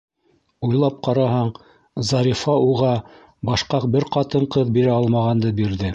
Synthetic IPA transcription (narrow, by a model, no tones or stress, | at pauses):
ujlˠɑp̚qɑɾɑɦɑɴ | zɑɾʲifɑuʁɑ | bɑʃqɑq̚bɘɾqɑt̪ɤɴqɤðbiɾæɑlˠmɑʁɑnd̪ɤbiɾðɘ